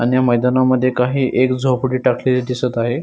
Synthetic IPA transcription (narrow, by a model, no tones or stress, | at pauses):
anijaməjd̪anaməd̪ʱːjekaɦiːʔekd͡zʱopuɽiːʈakʰleled̪isət̪aɦe